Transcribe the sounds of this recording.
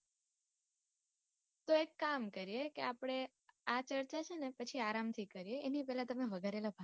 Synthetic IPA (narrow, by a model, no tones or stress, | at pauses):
t̪oekːamkəɾijekḛapɽ̃e | at͡ʃəɾt͡ʃat͡ʃʰenepət͡ʃʰiaɾamt̪ʰikəɾijeːnipɛɦlat̪əmeʋəɡʱaɾelabʱa